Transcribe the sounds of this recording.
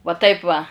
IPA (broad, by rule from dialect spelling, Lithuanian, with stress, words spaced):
ʋɐ ˈtɐɪp ʋɐ